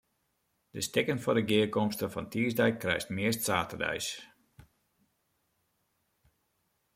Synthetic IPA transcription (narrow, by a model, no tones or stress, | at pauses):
dəstɪkənfɔdəɡɪəkɔmstəfɔntʰiəsdɛjkrɛ̰jstmɪəstsaːtərdɛ̰js